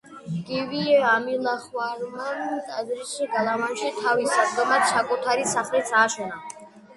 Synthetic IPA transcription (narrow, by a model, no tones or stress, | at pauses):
ɡ̥iviɛamilˠaχwaɾmant̪ʼazɾisʃiɡalˠamanʃit̪ʰavisad̪ɔmat̪t͡ʃʰakʼut̪ʰaɾisaχlɛt̪sʰaːʃɔna